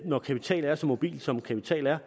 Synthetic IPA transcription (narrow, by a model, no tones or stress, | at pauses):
nɒkʰæpʰit͡sʰɛ̰ːlæɐsɒ̽mo̝b̥ḭːlsɒ̽mkʰæpʰit͡sʰɛ̰ːlæɐ